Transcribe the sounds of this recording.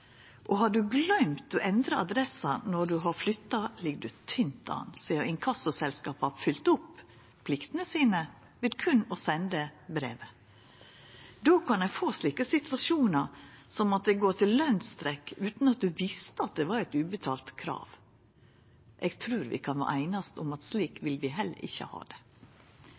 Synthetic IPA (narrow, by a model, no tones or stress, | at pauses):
ʔɔɦɑɖʉɡlœʏmt̪ɔʔɛnd̪ɾəɑd̪ɾɛsɑnɔɖʉɦɑɾflʏt̪ːɑlɪɡd̪ʉt̪ʰʏnt̪ɑ̰ːnsiːəɾɪŋkʰɑsʊsɛlskɑːpɑfʏlt̪ʊpː | pʰlɪkt̪ənəsiːnə | ʋɪd̪kʰʉnːɔsɛnd̪əbɾḛːʋə | d̪oːkʰɑnɛfoːsliːkəsɪt̪ʋɑʃuːnəsɔmɑt̪̚d̪ɛɡoːt̪ʰɪllœnst̪ɾɛkːʉːt̪n̩ɑt̪̚d̪ʉʋɪst̪əɑt̪̚d̪ɛʋɑɾæɪt̪ʉːbət̪ʰɑːlt̪kʰɾɑ̰ːʋ | ʔɛɡt̪ʰɾʉːɾʋɪ̰kʰɑnʋɑ̰ʔæɪnɑst̪ʊmɑt̪sliːkʋɪlʋɪɦɛlːə̰ɾʔɪ̰çːə̰hɑ̰ːd̪ɛ